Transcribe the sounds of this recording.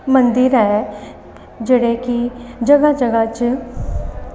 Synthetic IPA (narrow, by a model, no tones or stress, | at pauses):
mənd̪iɾɦɛ | d͡ʒeːɽekid͡ʒəɡad͡ʒəɡat͡ʃ